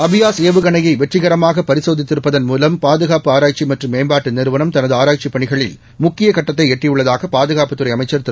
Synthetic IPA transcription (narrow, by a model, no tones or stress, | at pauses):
ɐbɪjaːseːʋɯɣɐɳɐjɐɪʋɛʈrɪɣɐɾɐmaːɣɐpɐɾɪsoːðɪt̪ːɪɾɯpːɐðɐnmuːlɐmpaːðɯɣaːpɯaːɾaːt͡ʃimɐʈrɯmːeːmbaːʈːɯnɪɾɯʋɐnɐmt̪ɐnɐðɯaːɾaːt͡ʃipːɐɳɪɣɐɭɪl | mʊkːɪjɐkɐʈːɐt̪̬ːɐɪɛʈrɪjɯɭːɐðaːɣɐpaːðɯɣaːpɯt̪ːɯɾɐɪɐmɐɪt͡ʃːɐɾt̪ɪ